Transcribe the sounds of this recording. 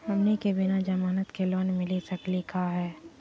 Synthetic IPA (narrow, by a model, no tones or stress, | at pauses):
ɦɐmnekebɪnad͡ʒɐmaːnət̪kelɔːnmɪlisɐklikaɦɛː